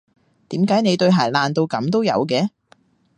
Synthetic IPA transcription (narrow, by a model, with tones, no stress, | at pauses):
t̪iː˨˥mkaː˨˥jne˨˧jt̪ɵ˧ɥɦaː˨˩laː˨˩nt̪o˧wkɐ˨˥mt̪o˥wjɐ̰˨˧wkɛː˧˥